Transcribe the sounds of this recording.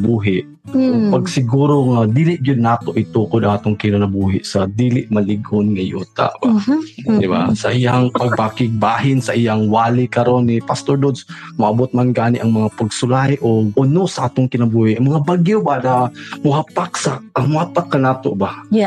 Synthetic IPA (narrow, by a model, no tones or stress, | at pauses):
buːɦɪʔ | oɡpaɡsɪɡuːɾoŋad̪iːlɪʔɡʊd̪̚naːt̪oʔɪt̪ukʊd̪aŋaːt̪oŋkɪnanabuːɦɪ̰ʔsad̪iːlɪʔmɐlɪɡʊnŋajṵːt̪a̰ʔb̥ad̪ɪba̰saʔijaŋpaɡ̚pakɪɡ̚baːɦɪnsaʔijaŋwaːlɪkaɾonːipast̪oɹd̪od̪s | mʊʔabʊt̪̚manɡaːnɪʔaŋmɐŋapaɡsʊlajʔoɡ̚ʔʊnosaʔaːt̪oŋkɪnabuːhɪʔŋmɐŋabaɡjobanamʊɦapaksamʊhapakːanaːt̪o̰ʔba